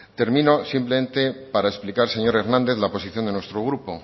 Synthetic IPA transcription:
t̪e̞ɾmĩno̞simple̞me̞nt̪e̞paɾaesplikaɾse̞ɲo̞ɾe̞ɾnãnd̪e̞θlapo̞siθjo̞nd̪e̞nwe̞st̪ɾo̞ɣ̞ɾupo̞

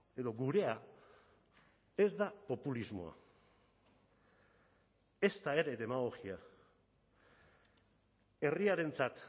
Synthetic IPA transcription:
e̞ðo̞ɡuɾe̞a | e̞zd̪apo̞pulizmo̞̰a̰ | e̞st̪ae̞ɾe̞ðe̞maɣo̞xia | e̞riaɾe̞nt͡sat̪

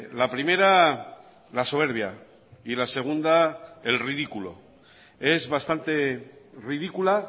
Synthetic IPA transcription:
lapɾime̞ɾa | laso̞β̞e̞ɾβ̞ja̰ | ilase̞ɣ̞und̪ae̞lriðikulo̞̰ | e̞zβast̪ant̪e̞rið̞ikula

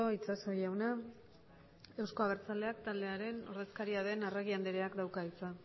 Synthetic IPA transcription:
oit͡sasojawna | e̞wsko̞aβ̞eɾt͡sale̞akt̪ald̪e̞aɾe̞no̞̰ɾðe̞skaɾiaðe̞nareɣ̞iand̪eɾeakd̪awkait͡sa

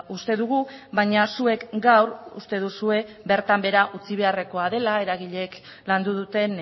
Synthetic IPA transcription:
ust̪e̞ðuɣ̞uβaɲasue̞kɡawrṵst̪e̞ð̞usue̞ | be̞ɾt̪ambe̞ɾaʔut͡siβ̞e̞are̞ko̞að̞e̞lae̞ɾaɣiʎe̞k | land̪uð̞ut̪e̞n

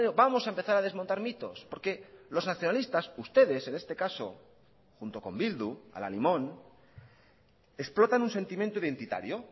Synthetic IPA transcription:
obamo̞saempe̞θaɾað̞e̞zmont̪aɾmit̪o̞̰spo̞ɾke̞lo̞znaθjo̞nalist̪asust̪e̞ð̞e̞se̞ne̞st̪e̞kaso̞̰ | xunt̪o̞ko̞mbild̪ua̰la̰limõ̞n | eksplo̞t̪anũnse̞nt̪imjent̪oiðe̞nt̪it̪a̰ɾjo̞

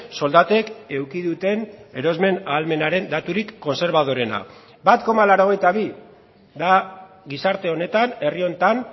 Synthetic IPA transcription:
so̞ld̪at̪e̞ke̞wkiðut̪e̞ne̞ɾo̞zme̞naːlme̞naɾe̞nd̪at̪uɾikːo̞nse̞ɾβað̞o̞ɾe̞na̰ | bat̪ko̞malaɾo̞ɣ̞e̞jt̪aβi | d̪a | ɣisaɾt̪e̞o̞ne̞t̪ane̞rio̞nt̪an

